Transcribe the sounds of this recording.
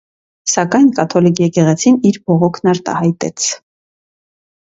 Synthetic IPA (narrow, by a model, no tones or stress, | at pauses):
sɑkɑjnkɑt̪ʰɔlikʰjɛkɛʁɛt͡sʰiniɾbɔʁɔkʰnɑɾt̪ɑ̰hɑjt̪ɛ̰t͡sʰ